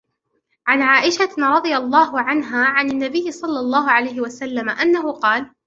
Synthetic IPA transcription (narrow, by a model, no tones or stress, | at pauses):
ʕanʕaːʔɪʃaɾˤɑd̪ˤɨjalˤːɑːɦʊʕanɦaːʕananːabɪjːɪsˤɑlːɑlˤːɑːɦʊʕalajɦɪwasalːamaʔanːaɦʊqɑːl